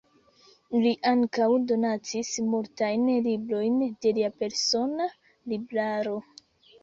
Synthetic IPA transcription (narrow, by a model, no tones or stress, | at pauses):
liʔaŋkawdo̞nat͡sismultajnlibɾo̞jnde̞liape̞ɾso̞na | libɾaɾo̞